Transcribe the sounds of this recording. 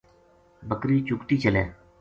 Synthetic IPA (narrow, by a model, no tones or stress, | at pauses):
bəkɾiːt͡ʃʊkʈ̪iːt͡ʃəleː